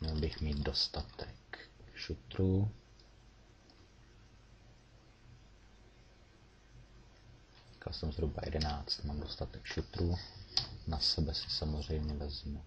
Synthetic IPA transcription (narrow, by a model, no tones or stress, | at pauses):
mɲɛlbɪxmiːd̪̚do̞st̪at̪ɛkʃut̪ɾu | i̥ka̰lsɛmzɦɾuba̰jɛ̰dɛnaːt͡st̪maːmdo̞st̪at̪ɛkʃut̪ɾu | nasɛbɛsɪ̥samozr̝ɛjmɲɛvɛzmu